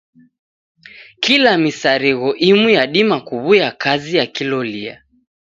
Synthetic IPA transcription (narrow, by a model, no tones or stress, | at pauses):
kilamisaɾiɣɔʔimujaɗimakuβujakʰazijakilɔlia̰